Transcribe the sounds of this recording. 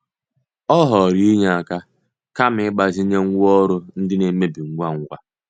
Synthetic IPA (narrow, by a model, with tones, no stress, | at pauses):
ɔ˦ɦɔ˨ɾi˦i˦ɲa˦˨a˨ka˦ | ka˦m̩ɪ˦ɡ͡ba˨zi˦ɲe˦ŋ̩˦ɡʷɔ˦ɾʊ˦n̩˦dɪ˦ne˨˦me˦bɪ˨ŋ̩˦ɡʷa˦ŋ̩˦ɡʷa˦